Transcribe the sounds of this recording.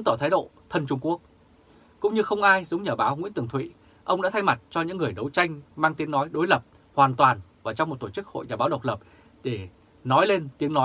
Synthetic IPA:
t̪ɔː˧˩t̪ʰaː˨˦jɗo̰˧˨t̪ʰə˧nt͡ɕʊ˧ŋ͡mku˦˥ək̚ | kʊ̰˧˥ŋ͡mɲɨ˧xə˧wŋ͡mʔaː˧jzə˨˦wŋ͡mɲəː˧˩ɓaː˨˦wŋḭ˧˥t̪ɨ˨˩əŋt̪ʰwḭ˧˨ | ʔə˧wŋ͡mɗa̰ː˧˥t̪ʰa˧jma˨˩t̚t͡ɕɔ˧ɲɨ̰˧˥ŋːɨ˨˩əjɗə˨˦wt͡ɕa˧jŋ̟maː˧ŋt̪i˨˦əŋnɔ˨˦jɗo˨˦jlə˨˩p̚ | hwaː˨˩nt̪waː˨˩nvaː˨˩t͡ɕɔ˧wŋ͡mo˨˩t̚t̪o˧˩t͡ɕɨ˦˥k̚ho̰˧˨jzaː˧˩ɓaː˨˦wɗə˨˩wk͡p̚lə˨˩p̚ | ɗe˧˩ | nɔ˨˦jle˧nt̪i˨˦əŋnɔ˨˦j

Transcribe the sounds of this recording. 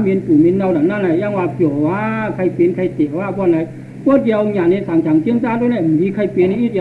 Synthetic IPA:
mi˧npu˨˩˦mi˧nːa˧wna˨˦nːa˧˥˨na˧˩jaː˧˥˨ŋwaː˧pɔː˨˦waː˧˥kʰa˧˩jpi˧˨nkʰa˧jt̪i˨˩waː˧˨pɔ˧˨na˨˧˦j | kɔ˧˥˦di˧ɲa˨na˧˨saː˨˦ŋt͡ɕʰa˨˦ŋt͡ɕi˧˥˩ə˨ŋtaː˧˥˨ndu˧˩˨na˧˩˨m˨˦miː˧kʰa˧jpi˧na˧˦ʔi˧˥˩a˧

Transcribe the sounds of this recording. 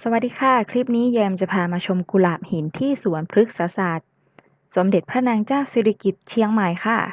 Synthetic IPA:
sa˧wa˨˩t̪̚diː˧˥kʰa˧˥˩kʰɾiː˦˥˩p̚niː˦˥jɛː˧mt͡ɕa˨˩pʰaː˧maː˧t͡ɕʰo˧mku˧laː˨˩p̚hi˨˩˦nt̪ʰiː˥˩su˩˦ənpʰɾɯ˦˥k̚saː˨˦saː˨˩t̪̚ | so˩˦mde˨˩t̪̚pʰɾa˦˥naː˧ŋt͡ɕaː˥˩wseː˧ɾa˧ki˨˩t̪̚t͡ɕʰi˧˥əŋma˨˩jxʰa˧˥˩

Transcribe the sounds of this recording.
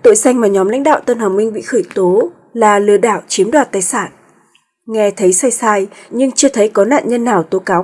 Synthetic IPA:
t̪o̰˧˨jsa˧jŋmaː˨˩ɲɔ˨˦mla̰˧˥ŋ̟ɗa̰ː˧˨wt̪ə˧nhəː˨˩wmï˧ŋ̟ɓḭ˧˨xəː˧˩jt̪o˨˦ | laː˨˩lɨ̰˨˧˩əɗa̰ː˧˨wt͡ɕi˨˦əmɗwaː˨˩t̚t̪aː˨˩jsaː˧˩n | ŋɛ˧t̪ʰə˨˦jsa˧jsaː˧jɲɨ˧ŋt͡ɕɨ˧ət̪ʰə˨˦jkɔ˨˦na̰ː˧˨nɲə˧nːaː˨˩wt̪o˨˦kaː˨˦w

